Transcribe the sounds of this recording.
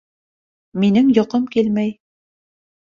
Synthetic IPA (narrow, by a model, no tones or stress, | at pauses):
minɘŋjŏqɤmkilmæj